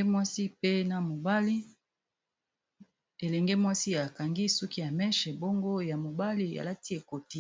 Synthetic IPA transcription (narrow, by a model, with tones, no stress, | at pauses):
e˦mwa˦si˦pe˦na˨mo˨ba˦li˦ | e˨lɛ˨ŋɡe˦mwa˦si˦ja˨ka˨ŋɡi˦sɔ˦ki˦ja˨mɛ˦ʃɛ˨bo˦ŋɡo˦ja˨mo˨ba˦li˦ja̰˨la˦ti˦e˨ko˨ti˦